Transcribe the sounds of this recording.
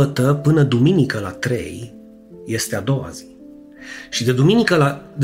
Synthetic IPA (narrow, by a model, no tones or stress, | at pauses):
ət̪əpɨnəd̪uminikəla̰t̪ɾe̞̰j | je̞st̪e̞ad̪o̞wa̰z̥i̥ | ʃid̪e̞d̪uminikəlad̪